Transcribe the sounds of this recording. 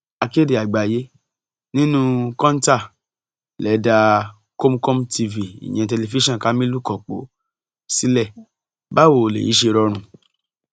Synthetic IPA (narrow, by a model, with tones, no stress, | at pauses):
a˨˧ke˦˨de˨a˨ɡ͡ba˨je˨˦ | nĩ˦nũ˦kɔ̃˦n˦ta˦˨ | lɛ˨˦da˧ | ko˦m˦ko˦mti˧vi˨ḭ˨j̃ɛ̃˨˧tɛ˧le˧˨vi˦ʃɔ̃˦˨ka˨˦mĩ˦lu˦˨kɔ˨k͡po̰˨˦ | si˦lɛ˦˨ | ba˦wo˨lḛ˨jḭ˨˦ʃe˧ɾɔ˧ɾ̃ũ˧